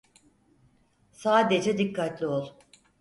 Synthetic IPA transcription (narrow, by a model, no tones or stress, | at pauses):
saːd̪e̞d͡ʒɛd̪ikːat̪lʲio̞lˠ